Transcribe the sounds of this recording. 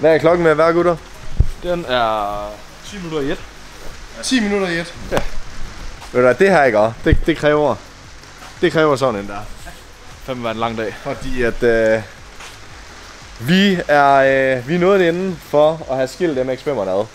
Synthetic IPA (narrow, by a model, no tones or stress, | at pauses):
ʋæɐkʰlɒ̽ɡ̥n̩meʋæɐ̰ɡ̥uɾ̥ɐ | d̥enæɐ | t͡sʰimnuɾɐied̥ | t͡sʰḭːminuɾɐied̥jæ | ʋed̥uʋæd̥e̝ɦæɐeɡ̥ɒd̥e̝d̥e̝kʰʁɛːʊɐ | d̥e̝kʰʁɛːʊɐs̬ɒ̽dn̩end̥æɐ̰ | fem̰ʋæɐenlɑ̈ŋ̰d̥ɛ̰ːfɒd̥ḭːæd̥ø | ʋiæɐʋinɔːð̩ˠenn̩fɒɒhæsɡ̥el̰d̥emeɡ̥sb̥em̰ɐnæðˠ